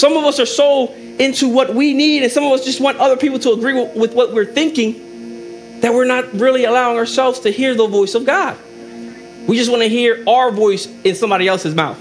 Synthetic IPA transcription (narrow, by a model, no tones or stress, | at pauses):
sʌ̃mʌvʌsə˞soʊ | ɪ̃ntʰuwʌt̚winiɾɨ̃nsʌ̃mʌvʌsd̥ʒ̥ʌst̚wɑ̃ntʌðə˞pʰipl̩ˠtʰəːɡɹiwwɨðwʌt̚wɪɹθɪ̃ŋkɪ̃ŋ | ðɨt̚wɪɹnət̚ɹɪlˠiəlaʊɪ̃ŋə˞sɛlˠvz̥tʰɨhiɹðəvɔɪsʌvɡɑd̥̚ | wid͡ʒʌst̚wɑ̃nɨɦiɹaʊə˞vɔɪsɨ̃nsʌ̃mbɑɾiɛlˠsɨzmaʊθ